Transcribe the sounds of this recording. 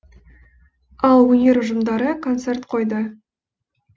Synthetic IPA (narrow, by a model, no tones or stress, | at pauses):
ɑlˠwɵnʲe̞ɾʊʒəmd̪ɑɾəkʰo̞nt̪se̞rt̪qʰo̞jd̪ə